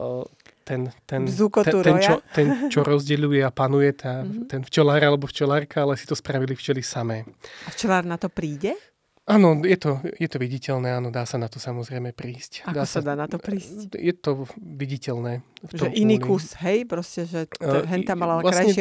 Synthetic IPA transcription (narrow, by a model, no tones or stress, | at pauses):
t̪ɛnt̪ɛnzukɔt̪uɾɛnjaɔt̪ɛnt͡ʃɔɾɔzɟɛʎujɛapanujɛt̪aːt̪ɛnft͡ʃɛlaːɾalɛbɔft͡ʃɛlaːɾkaalɛsi̥t̪ɔspɾaʋilift͡ʃɛlisamɛːaft͡ʃɛlaːɾnat̪ɔpɾiːɟɛ | ʔaːnɔjɛt̪ɔjɛt̪ɔʋiɟicɛlnɛːanɔd̪aːsanat̪ɔsamɔzɾɛjmɛpɾiːscad̪aːɔsad̪aːnat̪ɔpɾiːscjɛt̪ɔʋiɟicɛlnɛːftʒɔɛmʔiniːkusɦɛjpɾɔscɛʒɛɦɛnt̪amalaaklaksaɲɛʃɪ